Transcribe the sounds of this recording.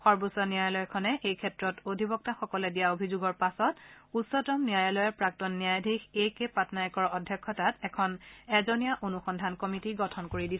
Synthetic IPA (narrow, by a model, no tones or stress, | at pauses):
xɔɹbusɔniajɔlɔjkʰɔnɛʔejkʰɛtɹɔtodʱibɔk̚taxɔkɔlɛdijaobʱizuɡɔɹpasɔtusɔtɔmnijajɔlɔjɛpɹak̚tɔnːijajadʱikʰejkepatnajɔkɔɹɔdʱjɔkʰːɔtatɛkʰɔnɛzɔnijaʔonuxɔndʱankɔmitiɡɔtʰɔnkoɹidisɛ